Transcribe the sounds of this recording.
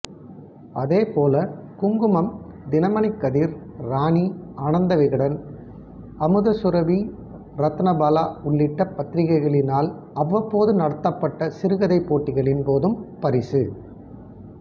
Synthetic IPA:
ɐðeːpoːlɐkʊŋɡɯmɐmd̪ɪnɐmɐnɪkːɐðiːɾ | ɾaːniaːɳɐnd̪ɐʋɪɣɐɽɐn | ɐmɯðɐsʊɾɐʋi | ɾɐt̪ːɐnɐbaːlaːʊɭːɪʈːɐpːɐt̪ːɪɾɪɣɐɪɣɐɭɪnaːl | ɐʋːɐpːoːðɯnɐɽɐt̪ːɐpːɐʈːɐsɪɾɯɣɐðɐɪpːoːʈːɪɣɐɭɪnpoːðɯmpɐɾɪsɯ

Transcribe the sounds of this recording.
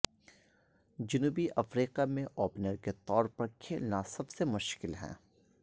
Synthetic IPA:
d͡ʒʊnuːbiʔɐfɾiːqamẽʔɔːpnəɾket̪ɔːɾpɐɾkʰeːlnasɐbsemʊʃkɪlɦɛ̰̃ː

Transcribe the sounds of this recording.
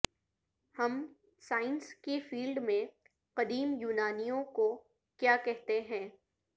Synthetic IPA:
hɐm | saːɪnskefiːlɖmẽ | qɐd̪iːmjuːnaːnijõko | kjaːkɛɦt̪eɦɛ̃ː

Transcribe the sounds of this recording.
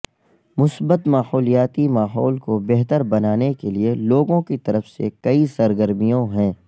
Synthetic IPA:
mʊsbət̪maːɦɔːlijaːt̪imaːɦɔːlkobɛɦt̪əɾbɐnaːnekelieloːɡõkit̪ɐɾəfsḛkɐisɐɾɡəɾmijõɦɛ̃ː

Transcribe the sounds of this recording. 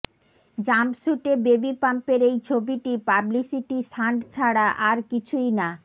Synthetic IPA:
d͡ʑampsuʈebebipampeɾejt͡ɕʰobiʈipablisiʈisʰaɳɖt͡ɕʰaɽaʔaɾkit͡ɕʰujna

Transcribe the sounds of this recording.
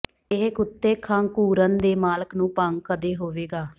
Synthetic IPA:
ɪɦkʊt̪ːeːkʰãːŋkuːɾənd̪eːmaːləknũːpaŋɡ̚kəd̪eːɦoːʋeːɡaː

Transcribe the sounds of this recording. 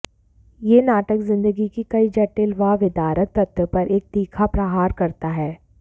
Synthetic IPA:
jeːnaːʈəkzɪ̃nd̪əɡikikɐid͡ʒɐʈːɪlʋaːʋɪd̪aːɾəkt̪ɐt̪ɾəpɐɾʔeːk̚d̪̥iːkʰapɾɐɦaːɾkɐɾt̪aɦɛː

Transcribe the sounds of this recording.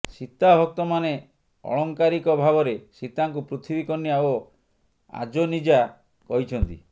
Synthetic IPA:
sit̪abʱɔk̚t̪ɔmane | ɔ̰ɭɔŋkaɾikɔbʱaβɔɾesit̪aŋkupɾut̪ʰibikɔnːiao | a̰d͡ʒɔnid͡ʒa | kɔɦit͡ʃʰɔnt̪ḭ

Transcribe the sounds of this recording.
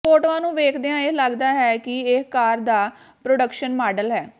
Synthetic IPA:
oːʈʋãːnũːʋeːkʰd̪eːãːeləɡd̪aːɦɛːkɪɪkaːɾd̪aː | pɾoːɖəkʃənmaːɖəlɦɛː

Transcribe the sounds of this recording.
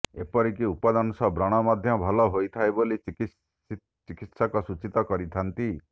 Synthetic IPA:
ḛpɔɾikiupad̪anɔsɔbɾɔɽ̃ɔmad̪ʱjɔbʱɔlɔɦojt̪ʰaeboliki | t͡ʃikit̪sɔkɔsut͡ʃit̪ɔkɔɾit̪ʰant̪i

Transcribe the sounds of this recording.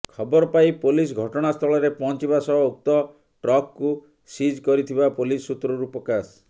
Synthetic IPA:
kʰɔbɔɾɔpajpolisɡʱɔʈɔɽ̃ast̪ʰɔɭɔɾepɔnt͡ʃibasɔɔuk̚t̪ɔ | ʈɾɔkːu | sid͡ʒkɔɾit̪ʰibapolisːut̪ɾɔɾupɔkas

